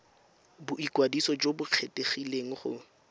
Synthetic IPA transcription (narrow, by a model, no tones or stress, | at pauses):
bʊikwadisɔd͡ʒobʊq͡χʰeteχileŋ̩χʊ̰